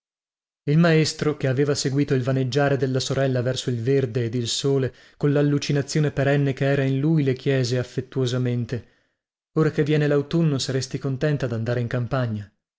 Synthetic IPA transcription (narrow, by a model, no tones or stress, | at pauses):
ilmaest̪ɾokeaveːvaseɡwiːt̪oilvaned͡ʒːaːɾed̪elːasoɾɛlːavɛrsoilverd̪eːd̪ilsoːle | konlalːut͡ʃinat̪sːjoːnepeɾɛnːekeɛːɾainlujlekjɛːzeafːet̪ːuozament̪e | oːɾakevːjɛːnelawt̪unːosaɾest̪ikont̪ɛnt̪ad̪and̪aːɾeiŋkampaɲːa